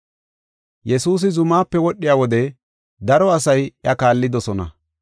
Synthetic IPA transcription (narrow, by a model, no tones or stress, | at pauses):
jɛsuːs̬ɪzʊmaːpːɛwɔɗːɪjaːwɔd̪ɛ | d̪ɐɾɔɐsɐjjɐkaːlːɪd̪ɔsɔnɐ̰